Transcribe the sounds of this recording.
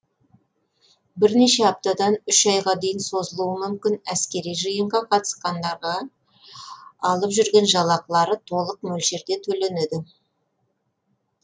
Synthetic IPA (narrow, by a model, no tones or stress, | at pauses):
bɪɾne̞ʃe̞ɑp̚t̪ad̪ɑnʏʃɑjʁɑd̪ejɪnso̞zəlˠuəmʏmkʲɪnæskʲe̞ɾijʒɨjəɴʁɑqʰɑt̪ə̥sqɑnd̪ɑɾʁɑ | lˠəpʒʏɾɡʲe̞nʒɑlˠɑqlˠɑɾət̪ʰo̞lˠəq̚mɵlʃe̞ɾd̪e̞t̪ʰɵle̞ned̪ɪ